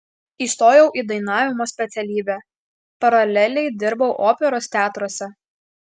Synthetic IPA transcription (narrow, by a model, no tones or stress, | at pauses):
iːst̪oːjɛʊʔiːd̪ɐɪnɑːʋʲɪmoːsʲpʲɛt̪sʲɛlʲiːbʲæː | pɐɾɐlʲɛlʲɛɪd̪ʲɪɾbɐʊʔoːpʲɛɾoːst̪ʲæːt̪ɾoɔsʲɛ